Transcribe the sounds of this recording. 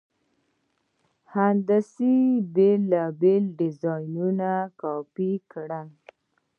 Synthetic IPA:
hand̪asibelabelɖɪzɑjnunakɑpikɽan

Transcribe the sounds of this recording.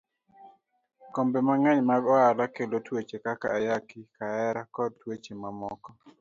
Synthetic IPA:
kombemaŋɛɲmaɡɔalakelotwet͡ʃekakaːjakikaɛɾakɔd̚twet͡ʃemamɔkɔ

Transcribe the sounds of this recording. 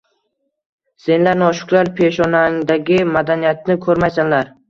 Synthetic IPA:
se̞nlaɾnɒʃʊ̥klˠaɾpʰe̞ʃɒnaŋd̪aɡʲɪmad̪anijat̪̚nɪkʰɵɾmajsanlaɾ

